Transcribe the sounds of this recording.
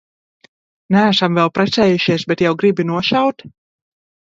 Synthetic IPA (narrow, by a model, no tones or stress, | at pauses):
nææsamvɛlˠpɾɛt̪sɛːjuʃiɛsbɛt̪jawɡɾibinuɔʃawt̪